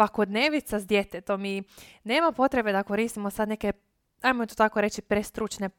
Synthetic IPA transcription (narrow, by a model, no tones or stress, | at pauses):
ʋako̞d̪neʋit̪sazd̪je̞t̪et̪o̞mineːmapo̞t̪ɾe̞be̞d̪ako̞ɾiːst̪imosad̪ne̞ke | ajmot̪ot̪akoɾe̞t͡ʃipɾest̪ɾut͡ʃne̞